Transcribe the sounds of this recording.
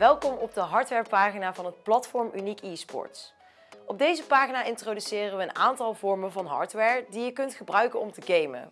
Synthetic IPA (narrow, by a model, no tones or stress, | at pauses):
ʋɛlˠkɔmɔb̚dəɦɑɹtʋɛɹpaːχinaːvɑnɦət̚plɑtfɔɹmynikiːspɔ̰ɹts | ɔb̚dejzəpaːχinaːʔɪntrodysɪːrənʋəːnaːntɑlˠvɔɹməvɑnɦɑ̰ːɹtʋɛːɹdijəkɵntχəbrœɥkənɔmtəɡejmə̰